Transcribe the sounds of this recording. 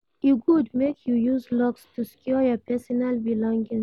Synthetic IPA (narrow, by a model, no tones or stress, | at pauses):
uɡudmekjujuzlɔkstʰuskʰjɔjɔpʰɛsɔnalbilɔ̃ŋɡɪ̃ŋ